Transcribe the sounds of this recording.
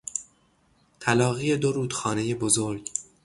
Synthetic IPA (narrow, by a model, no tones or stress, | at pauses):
t̪ʰælɒːɣije̞d̪oɾuːd̪̥xɒːne̞jebozo̞ɾɟ